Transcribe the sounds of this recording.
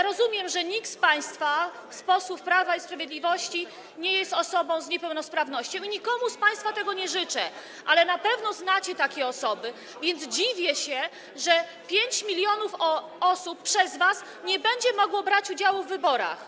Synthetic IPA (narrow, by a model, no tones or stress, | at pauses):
ɾɔzumʲjɛmʐɛɲik̪spaj̃st̪faspɔsufpɾavaispɾavʲjed̪lʲivɔɕt͡ɕi | ɲɛjɛst̪ɔsɔbɔ̃w̃zɲɛpɛwnɔspɾavnɔɕt͡ɕɔ̃w̃iɲikɔmuspaj̃st̪fat̪ɛɡɔɲɛʐɘt͡ʂɛ | ʔalɛnapɛvnɔznat͡ɕɛt̪akʲɛɔsɔbɘ | vʲjɛnd̪zd͡ʑivʲjɛɕɛ | ʐɛ | pʲjeɲt͡ɕmʲilʲjɔnufɔ | ɔsupːʂɛzvas | ɲɛbɛɲd͡ʑɛmɔɡwɔbɾat͡ɕud͡ʑawuvːɘbɔɾa̰x